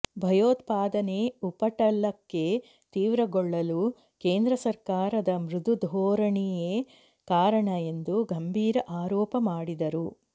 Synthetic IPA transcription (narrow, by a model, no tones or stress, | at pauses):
bʱɐjoːt̪paːd̪ɐneupɐʈɐlːɐkːe̞ | t̪iːʋɾɐɡɔɭːɐlu | keːnd̪ɾɐsɐɾkaːɾɐd̪ɐmɾud̪ud̪ʱɔːɾɐɳijeː | kaːɾɐɳɐend̪uɡɐmbʱiːɾɐʔaːɾɔːpɐmaːɽid̪ɐɾu